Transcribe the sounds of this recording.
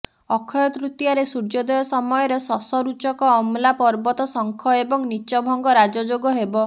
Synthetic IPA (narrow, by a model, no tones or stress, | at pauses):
ɔkʰɔjɔt̪ɾut̪jaɾesuɾd͡ʒɔd̪ɔjɔsɔmɔjɔɾesɔsɔɾut͡ʃɔkɔːmlapɔɾbɔt̪ɔsɔŋkʰɔebɔŋnit͡ʃɔbʱɔŋɡɔɾad͡ʒɔd͡ʒoɡɔɦebɔ